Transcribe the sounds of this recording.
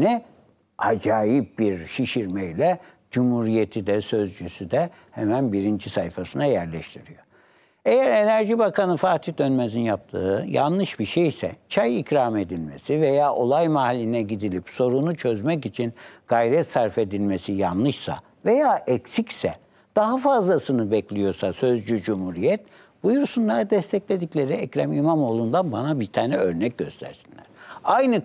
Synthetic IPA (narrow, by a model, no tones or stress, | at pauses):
nɛ | ad͡ʒaːjip̚biɾʃiʃiɾmɛjlʲɛ | d͡ʒumhuɾijet̪ʰid̪ɛsø̞zd͡ʒysyd̪ɛ | hɛmænbiɾind͡ʒisajfasɯnajæɾlʲɛʃt̪ʰiɾijo | ejæɾe̞næɾʒibakʰanɯfaːt̪ʰid̪ønmezinjap̚t̪ʰɯ̰ːja̰nlˠɯʃbiɾʃejsɛ̰t͡ʃʰajicɾaːme̞d̪ilʲmesive̞jaːʔo̞lˠajmaɦalʲːinɛɟid̪ilʲipso̞ɾunut͡ʃʰøzmɛcit͡ʃʰinɡ̥ajɾɛt̪saɾfe̞d̪ilʲmesijanlˠɯʃsa̰ | ve̞jaːʔɛksicsɛ̰ | d̪̥aɦafazlˠasɯnɯbɛclʲijo̞ɾsasøzd͡ʒyd͡ʒumhuɾijɛt̪ | b̥ujuɾsunlˠaɾd̪ɛst̪ʰɛclʲe̞d̪iclʲe̞ɾiɛcɾamimamo̞ːlˠund̪anbanabit̪ʰaːnɛø̞ɾnɛc̚ɟø̞̰st̪ʰæ̰ɾsinlʲæ̰ɾ̥ajnɯ